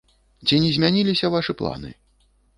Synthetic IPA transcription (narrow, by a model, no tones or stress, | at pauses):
t͡sʲinʲɛzʲmʲanʲilʲisʲɐvaʂɨplˠa̰nɨ̰